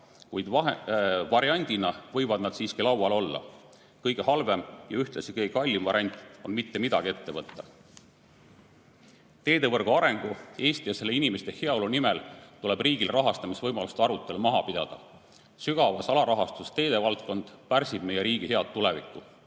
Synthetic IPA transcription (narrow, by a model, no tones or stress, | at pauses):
kujd̪ɑvɑɾiɑnʲd̪̥inɑvɤjvɑd̪̥nɑd̪̥siːskilɑwɑlo̞lːɑ̰ | kɤjɡ̥e̞hɑlve̞mjɑyht̪lesikɤjɡekɑlʲːimvɑɾiɑnʲt̪ˑo̞nmit̪ːemid̪̥ɑɡ̥ie̞t̪ːe̞vɤt̪ˑːɑ̥ | t̪e̞ːd̪e̞vɤrɡ̥uɑɾe̞ŋɡ̥ue̞ːst̪ijɑse̞lːeinimest̪ehe̞ɑo̞lunimelt̪ule̞b̥riːɡ̥ilrɑɦɑst̪ɑmisvɤjmɑlust̪ɑɾut̪ˑːe̞lumɑɦɑpid̪̥ɑ̰d̪̥ɑ̰ | syɡ̥ɑvɑsɑlɑɾɑɦɑst̪ust̪e̞ːd̪e̞vɑlt̪ko̞nd̪̥pærsib̥̚me̞jeɾiːɡ̥ihe̞ɑt̪ːulevḭkːˑu